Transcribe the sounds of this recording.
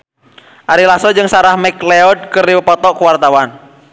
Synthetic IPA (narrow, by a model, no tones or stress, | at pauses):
ʔaɾilasɔd͡ʒɨŋsaɾahmɛkleɔd̚kəriwəpɔt̪ɔʔkuwart̪awan